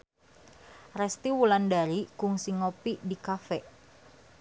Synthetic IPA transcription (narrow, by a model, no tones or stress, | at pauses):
rɛst̪iwulandaɾikuŋsiŋopidikafɛʔ